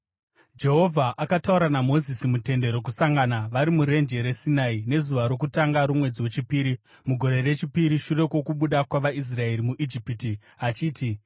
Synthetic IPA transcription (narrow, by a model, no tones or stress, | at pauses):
d͡ʒe̞ɦo̞vʱaʔakatauɾanamo̞zisimute̞nde̞ɾo̞k̬usaŋɡanaʋaɾimuɾe̞nd͡ʒe̞ɾe̞sinaine̞zuʋaɾo̞k̬utaŋɡaɾumwe̞d͡ziwe̞t͡ʃipiːɾi | muɡʱo̞ɾe̞re̞t͡ʃipiɾiʃure̞kwo̞kuɓuɗakwaʋais̬rae̞ɾimuʔid͡ʒipti | at͡ʃiːti